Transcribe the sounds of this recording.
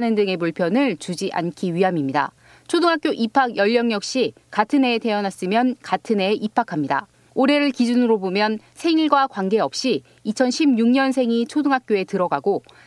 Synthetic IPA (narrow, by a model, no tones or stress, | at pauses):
nɯndɯŋe̞muɭpʰjʌnɯɭt͡ɕud͡ʑiʔa̰nkʰiɥiɦamimɲida̰ | t͡ɕʰoduŋɦak͈joʔipʰaɡjʌʎːʌŋjʌk̚ɕ͈i | katʰɯne̞te̞ʌnas͈ɯmjʌnkatʰɯne̞ʔipʰakʰamɲida̰ | oɾe̞ɾɯɭkid͡ʑunɯɾobomjʌnsʰe̞ŋiɭɡwakwaŋɡe̞ʌp̚ɕ͈iː | t͡ɕʰʌnɕʰibɲuŋɲʌnsʰe̞ŋit͡ɕʰoduŋɦak͈̚joe̞tɯɾʌɡaɡo